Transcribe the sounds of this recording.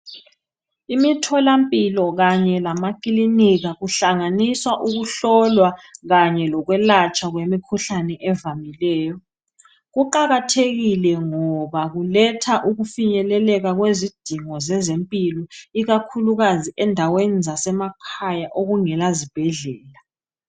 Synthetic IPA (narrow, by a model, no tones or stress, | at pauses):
imitʰɔlampʼilɔɣaɲɛlamakiliniɣaɣuɬaŋaniswaʔuɣuɬɔlwaɣaɲɛlɔɣwɛlat͡ʃʼʰaɣwemikʰuɬanɛʔɛvamilɛːjɔ | ɣuǃaɣatʰeɣilɛŋɔβaɣulɛtʰaʔuɣufiɲɛlɛlɛɣaɣwezid̥ʱiŋɔzɛzempʼilɔiɣakʰuluɣaziʔɛndʱawenizasɛmakʰajaʔoɣuŋɛlazib̥ʱɛɮɛːla